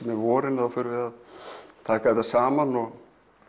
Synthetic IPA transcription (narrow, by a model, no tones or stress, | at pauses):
mɛðvɔːɾɪnaðafʏːɾʏvɪðaðt̪ʰaːkaðɛt̪asaːmanɔɣ